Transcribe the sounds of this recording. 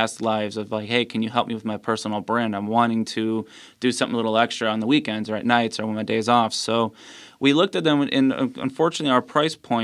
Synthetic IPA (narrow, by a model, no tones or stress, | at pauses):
æstˡlaɪvzʌvlaɪkheɪkʰɨ̃n̩jɨɦɛlˠp̚miwɨðmaɪpʰɜ˞sn̩l̩ˠbɹæ̃ndãɪ̃mwɑ̃ɾ̃ɪ̃ŋtʰɨ | d̥ɨsʌ̃mθɪ̃ŋlɪɾl̩ˠɛkstɹ̥ɨə̃nðəwikɛ̃ndzə˞ɨ̰tⁿnaɪtsə˞wə̃nmaɪdeɪzɔfsoʊwʔilʊk̚tɨt̪̚ðɨ̃mɨ̰̃nə̰̃ə̰̃ɱfɔɹt͡ʃɨnɨtˡliaʊə˞pʰɹ̥aɪspʰɔ̃ɪ̃